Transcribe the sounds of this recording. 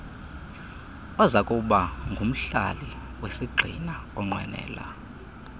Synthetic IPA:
ɔzakʼuɓaŋɡʱum̩ɬa̰li | wesiɡ͡ǀʱinaɔŋ͡ǀwɛ̰nɛ̰ːla̰

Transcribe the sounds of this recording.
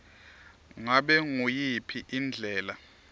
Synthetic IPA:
ŋaɓɛŋujipʰiʔind͡ɮʱɛːla

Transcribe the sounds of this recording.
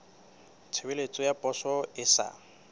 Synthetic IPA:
t͡sʰɪbelet͡sʼɔjapʼɔsɔɪsa̰

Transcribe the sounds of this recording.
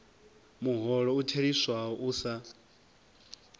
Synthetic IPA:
muɦɔɺɔutʰeɺiswaɔʔusa

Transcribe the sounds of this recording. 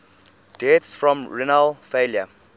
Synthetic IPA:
d̥ɛtsfɹɔ̃mɹinəlfeljə

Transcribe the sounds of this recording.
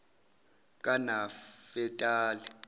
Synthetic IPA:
k̬ʼanafɛtʼaːlɛ

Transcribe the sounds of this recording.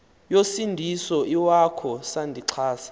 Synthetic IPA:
josindʱisɔiwakʰɔsandʱiǀʰaːsḁ

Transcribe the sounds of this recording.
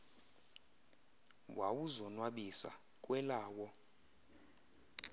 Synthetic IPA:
wawuzɔnwaɓisa̰ | kʼwɛlaːwɔ

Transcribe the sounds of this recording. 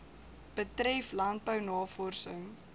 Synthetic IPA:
b̥ətɾɛflɐnt̚bəwnɑːfɔrsəŋ

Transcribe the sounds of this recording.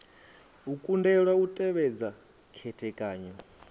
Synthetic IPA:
ukʼundɛɺwautʼɛβɛd͡za | kʰɛtʰɛkʼaːɲɔ

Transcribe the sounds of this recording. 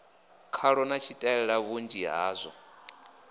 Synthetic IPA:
kʰaɺɔnat͡ʃʰitʼaɛɺaβund͡ʒiɦa̰ːzʷɔ̰

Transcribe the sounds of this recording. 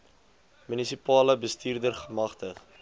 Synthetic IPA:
mynisipɑːləbəstiːrdərχəmɐχtəχ

